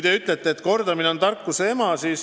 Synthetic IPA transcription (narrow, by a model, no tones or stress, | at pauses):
t̪eyt̪ˑlet̪ːeːt̪ko̞rd̪ɑmineont̪ɑrkːˑusee̞mɑsiːs